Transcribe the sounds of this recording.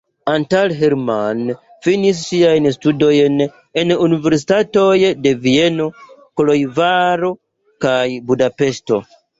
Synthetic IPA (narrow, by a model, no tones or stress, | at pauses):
antalɦeɾman | finis̬ːiajnstudo̞jn | e̞nunive̞ɾsi̥tato̞jde̞vie̞no̞kolo̞jvaɾo | kajbudape̞sto̞̰